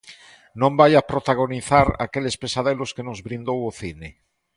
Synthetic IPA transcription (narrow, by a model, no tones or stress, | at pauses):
nõmbajapɾot̪aɣ̞oniθaɾa̰kelespesaðeloskenozβɾind̪owoθine